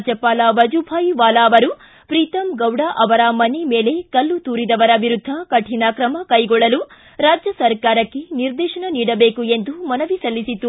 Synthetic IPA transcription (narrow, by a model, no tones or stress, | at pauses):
d͡ʒjɐpaːlɐʋɐd͡ʒubʱaːjʋaːlaːʋɐɾu | pɾiːt̪ɐmɡɐwɽɐʔɐʋɐɾɐmɐnemeːle̞kɐlːut̪uːɾid̪ɐʋɐɾɐbiɾud̪ʱːɐkɐʈʰinɐkɾɐmɐkɐjɡɔɭːɐlu | ɾaːd͡ʒjɐsɐɾkaːɾɐkːeniɾd̪ɛːʃɐɳɐniːɽɐbeːkue̞nd̪umɐnɐʋisɐlːisit̪ːu